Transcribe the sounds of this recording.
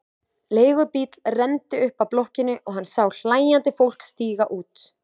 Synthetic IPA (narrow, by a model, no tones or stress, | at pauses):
leːjɣʏpit̪l̥rɛnt̪ɪʏhpawplɔhcɪnːʏʔɔɣɦanːsaːwɬaːjant̪ɪfowl̥kst̪iːɣaʔuːt̪